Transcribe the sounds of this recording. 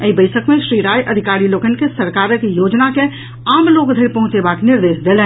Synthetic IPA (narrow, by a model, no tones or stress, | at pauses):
ibəɪsəkmẽʃɾiɾaːjʔəd̪ʱikaɾiloːkənkesəɾkaːɾəkjoːd͡ʒnake | aːmloːkd̪ʱeɾpɐɦʊ̃t͡ʃebaknɪɾd̪eːsd̪elɛ̃